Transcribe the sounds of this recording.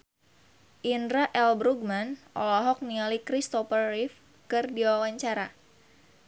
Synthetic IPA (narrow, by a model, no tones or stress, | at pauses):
ʔindɾaʔɛlbɾuɡ̚manʔɔ̰lɔɦɔk̚nialikɾist̪ɔfərːif | kɨrdiwawaɲt͡ʃaɾa